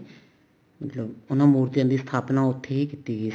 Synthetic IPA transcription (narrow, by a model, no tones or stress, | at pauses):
mət̪ləbʊnãːmuːɾt̪ɪjãːd̪iːst̪ʰaːpnaːʊt̪ʰːeːiːkiːt̪iːɡiː